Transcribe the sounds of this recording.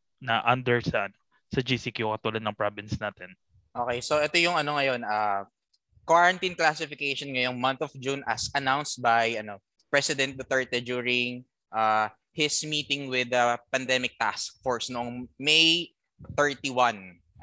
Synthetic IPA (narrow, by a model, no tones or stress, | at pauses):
nɐʔɐnd̪ɛɹsɐʔɐno | sɐd͡ʒisikjukɐt̪uːlɐd̪nɐŋpɹabɪnsnaːt̪ɛn | ʔoːkejsoʔɛt̪ojʊŋɐno̞ŋɐjo̞naː | kwaɹɐnt̪inklasɪfɪkejʃonŋɐjo̞ŋmɐ̃nt̪ɔfd͡ʒunʔɐsʔɐnawnst̪̚bajʔɐno̞ | pɹɛsɪd̪ɛ̃nt̪̚d̪ɐt̪ɛɹt̪ɛd͡ʒuːɹɪŋ | ʔaː | hɪsmiːt̪ɪŋwɪd̪ɐpɐnd̪ɛmɪk̚t̪ask̚foɹsnoʔoŋmej | θɛɹt̪iwɐ̃n